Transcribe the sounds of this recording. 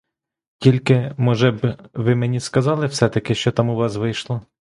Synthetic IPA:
tʲilʲkɪmɔʒɛbʋɪmenʲiskɐzɑlˠɪwsɛt̪ɐkɪʃt͡ʃɔt̪ɑmʊʋɑsʋɪjʃlˠɔ

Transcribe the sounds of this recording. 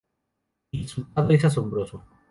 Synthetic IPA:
isunt̪aðoisas̬ombɾoso

